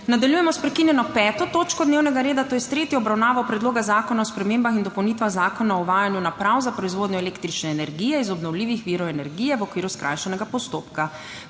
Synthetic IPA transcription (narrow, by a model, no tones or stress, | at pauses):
nad̪aljujɛmɔspɾɛkinjɛnɔpɛːt̪ɔt̪oːt͡ʃkɔd̪newnɛɡaɾeːd̪at̪oːjɛst̪ɾeːt̪jiɔbɾawnaːʋawpɾɛd̪loːɡazaːkɔnaɔspɾɛmembaxind̪ɔpɔwnit̪ʋaɣzaːkɔnaɔuʋaːjanjunapɾawzapɾɔizʋoːd̪ɲɔɛleːkt̪ɾit͡ʃnɛːnɛɾɡijɛizɔbnɔwliːʋixʋiɾɔɛnɛɾɡijɛʋɔkʋiːɾuskɾa̰jʃɛnɛɡapɔst̪oːpka